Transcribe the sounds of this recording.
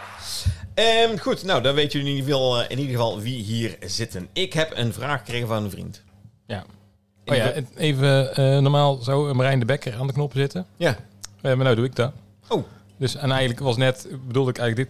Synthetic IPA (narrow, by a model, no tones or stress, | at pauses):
əmχutnowdɑnʋejtjəliidvɑlˠɪ̰nidəɣəvɑlˠʋiɦiːɹzɪtənɪkɦɛpə̰nvraːxə̥krejɣənvɑnənvrḭnt | ja | ojaejvəənɔɹmaːlˠzɔwəmrɛjndəbɛkəɹaːndəknɔpzɪtəja | ənawduɪɡ̚dɑt | ow | dɵsɛnɛjəələkʋɑsənɛtbədulˠdəɪkɛjɣnləɡdɪt